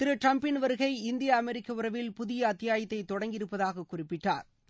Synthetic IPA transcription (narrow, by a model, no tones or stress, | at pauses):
t̪ɪɾɯʈɾɐmpɪnʋɐɾɯɣɐɪɪnd̪ɪjɐːmɛɾɪkːɐʊrɐʋɪlpʊðɪjɐːt̪ːɪjaːjɐt̪ːɐɪt̪ːɔɽɐŋɡɪɾɯpːɐðaːɣɐkːʊrɪpːɪʈːa̰ːɾ